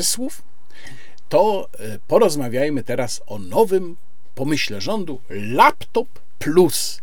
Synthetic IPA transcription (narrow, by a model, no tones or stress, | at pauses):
swuf | t̪ɔ | pɔɾɔzmavʲjajmɘt̪ɛɾasɔnɔvɘm | pɔmɘɕlɛʐɔnd̪u | lapt̪ɔpːlus